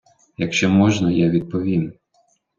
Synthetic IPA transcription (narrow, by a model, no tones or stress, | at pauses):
jɐkʃt͡ʃɔmɔʒnɐjaʋʲid̪̚pɔʋʲin